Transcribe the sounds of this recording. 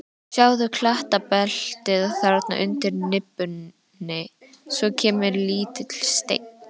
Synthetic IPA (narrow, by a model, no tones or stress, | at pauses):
saːwðʏkʰlaht̪apɛl̥t̪ɪðθaɾat̪na̰ʔʏnt̪ɪɾnɪpːʏnː | ɪ | svɔcʰɛːmɪɾliːt̪ɪt̪ʰɪl̥st̪ḛjkn